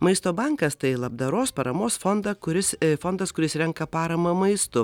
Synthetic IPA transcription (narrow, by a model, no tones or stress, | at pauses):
mɐɪst̪oːbɐŋkɐst̪ɐɪlˠɐbd̪ɐɾoːspɐɾɐmoːsfɔnd̪ɐkʊɾʲɪsfɔnd̪ɐskʊɾʲɪsɾʲɛŋkɐpɑːɾɐmɐmɐɪst̪ʊ